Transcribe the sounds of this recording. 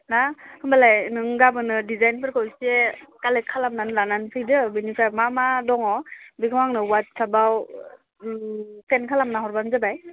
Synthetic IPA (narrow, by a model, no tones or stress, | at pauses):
nahɯmbalajnɯŋɡabɯnɯdizajnpʰɯɾkʰɔwsekalet̚kʰalamnanlananpʰɯjdɯbinipʰamamadɔŋɔbikʰɯwaŋnɯwat̚sʰabaw | tenkʰalamnaɦɔɾbanzabaj